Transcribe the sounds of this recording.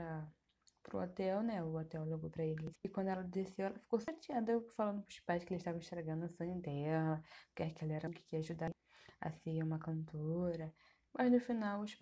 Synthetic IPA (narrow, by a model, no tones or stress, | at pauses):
ɾɐ | pɾʊot̪ɛwnɛʊot̪ɛwleɡowpɾɐelɪɪkwɐ̃nd̪ʊɛlɐd̪esewɛlɐfi̥kosat͡ʃiad̪ɐfalɐ̃nd̪ʊpuʃi̥paʃkɪɛlɪʃt̪avɐ̃ĩʃt̪ɾeɡɐ̃nd̪ʊɐsɐ̃ɲɐ̃d̪ɛlɐkɛɾkɪɛlɐɛɾɐ̃kɪ̥kiaʒud̪a | ɐ̰siɐũmɐkɐ̃nt̪oɾɐ | mʔɐznʊfinawʊʃ